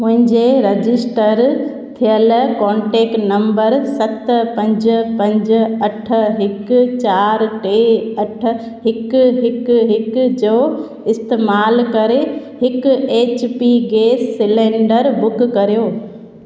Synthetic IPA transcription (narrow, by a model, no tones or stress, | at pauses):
mʊ̃ɦɪ̃ɲd͡ʑeɾɐd͡ʑɪsʈəɾ | t̪ʰijəlkɔ̃ːɳʈeːknɐ̃mbəɾsɐt̪pɐ̃ɲd͡ʑpɐ̃ɲd͡ʑ̆ɐʈ̆ʰɦɪkt͡ɕaːɾʈeːɐʈ̆ʰ | ɦɪkɦɪkɦɪkd͡ʑoː | ɪst̪eːmaːlkɐɾe | hɪkʊeːt͡ɕpiɡeːsːɪlẽːɳɖəɾbʊkkɐɾijoː